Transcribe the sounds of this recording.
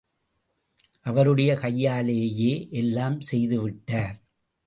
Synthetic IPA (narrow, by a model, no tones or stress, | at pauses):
ʔɐʋɐɾɯɽɐjɐkɐjːaːleːjeːʔɛlːaːmsɛjðɯʋɪʈːaːɾ